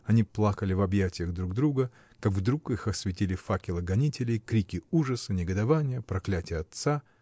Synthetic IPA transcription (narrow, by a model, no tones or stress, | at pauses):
ɐnʲiplˠakəlʲɪvɐbjætʲɪjəɣd̪ɾuɡd̪ɾuɡə | kaɡvd̪ɾukixɐsvʲɪtʲilʲɪfakʲɪlˠəɡɐnʲitʲɪlʲɪjkɾʲikʲɪuʐəsənʲɪɡəd̪ɐvanʲɪjəpɾɐklʲætʲɪjəɐt̪sa